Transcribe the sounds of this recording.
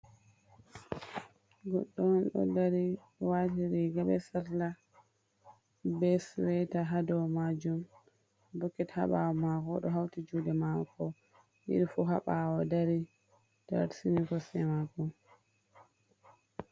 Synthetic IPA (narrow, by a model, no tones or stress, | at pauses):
ɡɔ̰ɗːɔnɗɔ̰daɾi | watiɾiɡabɛsaɾla | bɛsɾɛtaɦadɔmad͡ʒum | bɔkːɛtha̰ɓawɔmakɔɗɔɦawtid͡ʒudɛmakɔ | ʔḭɗifuɦa̰ɓawɔdaɾi | d̥a̰ɾsinikɔsɛmaɡɔ